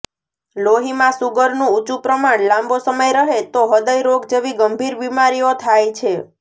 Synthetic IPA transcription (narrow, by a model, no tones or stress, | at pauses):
loɦimãsuɡəɾnũut͡ʃupɾəmaɳlãmbosəməjɾəɦet̪oɦəd̪əjɾoɡ̚d͡ʒeʋiɡəmbʱiɾbimaɾijot̪ʰajt͡ʃʰe